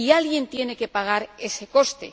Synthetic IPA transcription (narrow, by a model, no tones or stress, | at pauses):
ialɣje̞nt̪je̞ne̞ke̞paɣ̞aɾe̞se̞ko̞st̪e̞̰